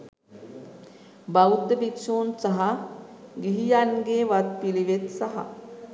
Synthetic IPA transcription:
bawd̪əbiksoːnsɐɦa | ɡiɦijanɡeːʋat̪̚piliʋet̪sɐɦa̰

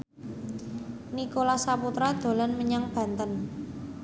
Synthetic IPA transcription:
nikolasaput̪ɾad̪̥o̤lanməɲaŋb̥ä̤nt̪ən

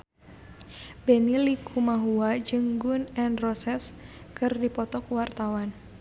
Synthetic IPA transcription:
benilikʰumaɦuad͡ʒəŋɡʊnɛnrɔsɛskɨrdipɔt̪ɔkwart̪awan

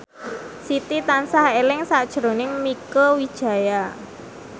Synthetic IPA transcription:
sit̪it̪ansahelɪŋsaʔd̥ʒ̥əɾonɪŋmikəwid̥ʒ̥a̤ja

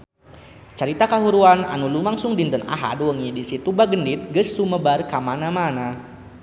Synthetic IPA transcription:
t͡ʃaɾit̪akaɦuɾuana̰nulumaŋsʊŋdint̪əna̰ɦa̰duwəŋidisit̪ubaɡəndit̪̚ɡəsːuməbarkamanamana

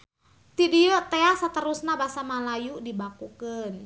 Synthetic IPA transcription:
t̪idiɔt̪easət̪əɾusnabasamalajudibakukən

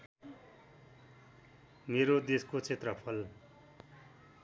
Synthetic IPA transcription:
meɾod̪eskot͡sʰet̪rʌpʰʌl

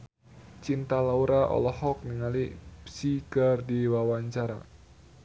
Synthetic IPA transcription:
t͡ʃint̪alauɾaʔɔ̰lɔhɔk̚niŋalipsikərdiwawaɲt͡ʃaɾa̰

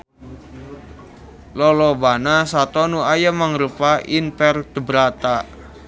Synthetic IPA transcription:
lɔlɔbanasat̪ɔnuajamaŋɾupaʔinpɛrd̪̥ə̤bɾat̪a

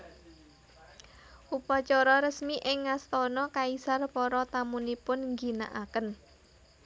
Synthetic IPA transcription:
ʔupɔt͡ʃɔɾɔɾəsmiʔɪŋːast̪ɔnɔkaisarpɔɾɔt̪amunipʊnŋɡi̤na̰ʔakən

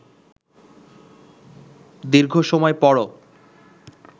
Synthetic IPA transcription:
d̪iɾɡʱoʃɔmɔepɔɽo

